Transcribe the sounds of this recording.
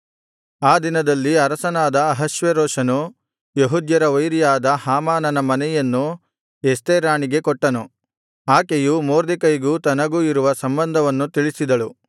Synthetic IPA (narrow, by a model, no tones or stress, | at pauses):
aːd̪inɐd̪ɐlːiɐɾɐsɐnaːd̪ɐːɦɐʃʋeɾoːʂɐnu | jeɦud̪jɐɾɐʋɐjɾijaːd̪ɐhaːmaːnɐnɐmɐnɛjɐnːu | est̪eːɾaːɳiɡe̞kɔʈːɐnu | aːkejumoːɾd̪ikɐjiɡuːt̪ɐnɐɡuːiɾuʋɐsɐmbɐnd̪ʱɐʋɐnːut̪iɭisid̪ɐɭu